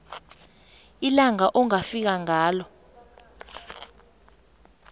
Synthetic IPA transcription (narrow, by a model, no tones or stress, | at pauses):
ilaŋaʔɔŋafik̬aŋaːlɔ